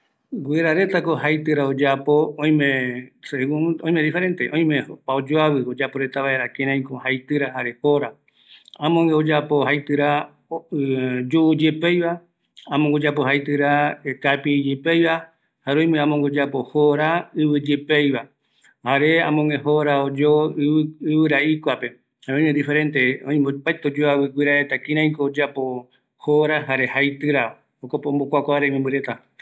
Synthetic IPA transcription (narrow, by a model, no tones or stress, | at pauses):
ɡeɾaɾe̞t̪akohajt̪ɨɾaod͡ʒapoõj̃mẽsɡũõj̃mẽd̪ifeɾẽ̞nt̪eʔõj̃mepaod͡ʒoaβɨod͡ʒapo̞ɾe̞t̪aβae̞ɾakẽɾãj̃kohajt̪ɨɾahaɾe̞hoɾa | ãmõŋɡeod͡ʒapo̞hajt̪ɨɾa | d͡ʒuʔːd͡ʒepejβa | amõŋɡod͡ʒapohajt̪ɨɾaekapid͡ʒepejβa | haɾoj̃mẽãmõŋɡod͡ʒapo̞hoɾaɨβɨd͡ʒepejβa | haɾe̞amõŋẽho̞ɾaod͡ʒo | ɨβɨɾaʔikʷape̞ | ãẽnẽd̪ife̞ɾe̞nt̪e̞õĩmopajt̪od͡ʒoawɨɡʷiɾaet̪akĩɾ̃ãj̃koːd͡ʒapo | hoɾaɦaɾe̞hajt̪ɨɾa | okopõmbokʷakʷaaɾemĩmbɨɾe̞t̪a